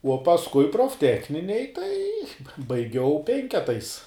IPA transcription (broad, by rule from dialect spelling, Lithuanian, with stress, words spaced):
uɔ pɐsˈkʊɪ proːfʲˈtʲæːxʲnʲɪnʲeːj tɐɪ bɐ bɐɪˈɡʲɛʊ ˈpʲɛŋʲkʲɛtɐɪs